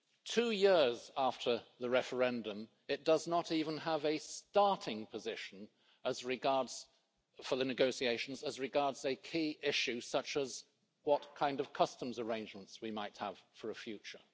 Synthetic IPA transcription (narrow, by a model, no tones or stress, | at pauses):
tʰʉjɪɹzæftʰə˞ðɨɹɛfə˞ɛ̃ndə̃m | ɨt̚d̥ʌznəɾivə̃n̩əvɨstɑɹɾɪ̃ŋpʰɨzɪʃn̩ | əzɹɨɡɑɹdz̥ | fə˞ðɨnɨɡoʊsieɪʃn̩zəzɹɨɡɑɹdz̥ɨkʰiʔɪʃʉsʌt͡ʃɨz | wʌtkʰãɪ̃ndʌv̥kʰʌstə̃mzə˞ẽɪ̃nd͡ʒmə̃n̩tswimaɪt̚həv̥fə˞ɨfjʉt͡ʃə˞